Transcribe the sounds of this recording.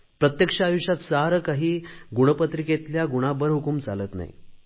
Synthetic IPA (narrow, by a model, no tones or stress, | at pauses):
pɾət̪jəkʂaːjuɕat̪saɾəkaɦiːɡuɽ̃əpət̪ɾiket̪ljaɡuɽ̃abəɾɦukumd͡zʱaləːt̪na̰jḭ